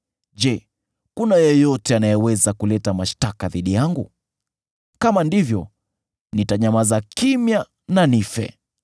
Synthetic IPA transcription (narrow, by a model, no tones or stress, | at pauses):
ʄɛ | kunajɔjɔtɛanajɛwɛzakulɛtamaʃtakaðiɗijaŋɡu | kamandivjɔ | nitaɲamazakimja | nanifɛ̰